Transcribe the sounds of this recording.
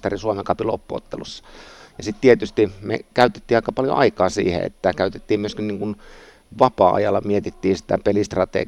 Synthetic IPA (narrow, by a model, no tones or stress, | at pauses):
t̪ɑrisuomeŋkɑpilopːuo̰t̪ːḛlusːɑ̥jɑsit̪t̪iet̪yst̪imḛkæyt̪e̥t̪ːiːɑˑikːɑpɑljo̰ʔɑ̰ikɑːsḭːhḛḛt̪ːækæyt̪et̪ːiːmmyøskinniːŋkun | ʋɑpɑːʔɑ̰jɑlːɑmiet̪it̪ːiːsi̥t̪æpelist̪rɑt̪ḛ